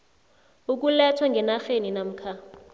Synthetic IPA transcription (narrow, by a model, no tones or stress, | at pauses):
uk̬ulɛtʰwaŋɡɛnaxeninam̩ːkʰa